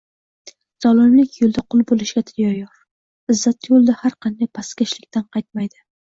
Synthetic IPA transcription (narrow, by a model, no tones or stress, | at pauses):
z̥ɒlˠɪmlɪkʲjolˠd̪aqʰʊlˠbolˠɪʃɡʲat̪ʰjɒjɒɾ | ɪzːat̪jolˠd̪ahaɾqʰɑnd̪ajpʰaskʲaʃlɪkʲt̪ʰanqʰɑjt̪̚majd̪ɪ